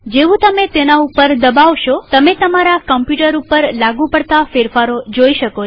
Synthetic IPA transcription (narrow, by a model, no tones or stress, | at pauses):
d͡ʒeʋũt̪əmet̪enaupəɾd̪əbaʋʃot̪əmet̪əmaɾakəmpjuʈəɾupəɾlaɡũpəɽt̪afeɾfaɾod͡ʒoiʃəko